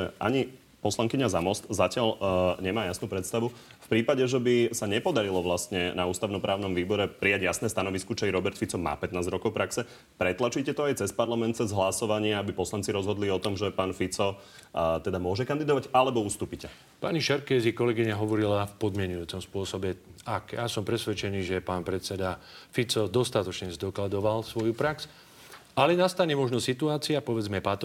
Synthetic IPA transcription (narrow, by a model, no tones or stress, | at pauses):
ɛʔa̰ɲi | pɔslaŋkiɲazamɔst̪zacɪalɲɛmaːjasnuːpɾɛt̪st̪aʋu | fpɾiːpaɟɛʒɛbisaɲɛpɔd̪aɾilɔʋlast̪ɲɛnauːst̪aʊnɔpɾʔaːʊnɔmʋiːbɔɾɛpɾijaɟjasnɛːst̪anɔʋiskɔt͡ʃɛjɾɔbɛɾt̪fit͡sɔma̰ːpɛt̪naːzɾɔkɔʊpɾʔaksɛ | pɾɛt̪lat͡ʃicɛt̪ɔajt͡sɛspaɾlamɛnt̪t͡sɛzɦlasɔʋaɲɪaabipɔslant͡siɾɔzɦɔd̪liɔt̪ɔmʒɛpaːnfit͡sɔ | t̪ɛd̪amʊɔʒɛkand̪id̪ɔʋaɟalɛbɔust̪uːpicɛ | pa̰ːɲiʃɛɾkɛːzikɔlɛɡiɲaɦɔʋɔɾilafpɔd̪mɪɛɲujuːt͡sɔmspʊɔsɔbɛakjasɔmpɾɛsʋɛt͡ʃɛniːʒɛpaːnpɾɛt̪t͡sɛd̪afit͡sɔd̪ɔst̪at̪ɔt͡ʃɲɛzd̪ɔklad̪ɔʋalsʋɔjupɾaks | alɛnast̪aɲɛmɔʒnɔsit̪uaːt͡siapɔʋɛd͡zmɛpat̪ɔ